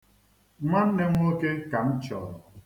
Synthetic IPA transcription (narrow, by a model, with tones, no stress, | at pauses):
ma˦n̩˦ne˦ŋʷ˦o˦ke˦ka˨m̩˦t͡ʃɔ˨ɾɔ˨